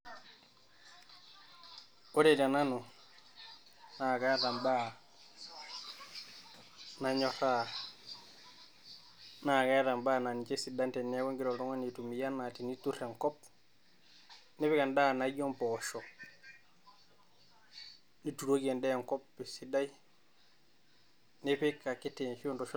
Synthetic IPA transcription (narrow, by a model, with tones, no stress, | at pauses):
o˦ɾe˨ta˨na˦nu˨ | na˨ka˦ta˨mba˦ | na˨ɲo˦ta˦ | na˨ka˦ta˨mba˦na˨ni˨t͡ʃe˦si˨da˦nte˨ne˦ko˦ŋɡi˦ɾo˨to˦ŋo˦ni˨tu˨mi˨ja˦na˨ti˨ni˦tu˦ɾe˨ŋkɔ˦p̚ | ni˦pi˦ka˨nda˦na˨ɟo˦mpo˨ʃo˨ | ni˦tu˨ɾo˦ke˨nde˦˨ŋko˦pːi˨si˦da˦i | ne˦pi˦kːa˨ki˦tinʃi˦u˦nto˨ʃ